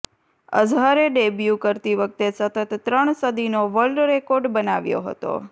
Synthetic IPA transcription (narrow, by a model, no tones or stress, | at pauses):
ə̰d͡ʒʱaɾeɖebjukəɾt̪iʋək̚t̪esət̪ət̪ːɾəɳ̃səd̪ʱinoʋəlɖɾekoɾɖbənaʋjo̰ɦə̰t̪o̰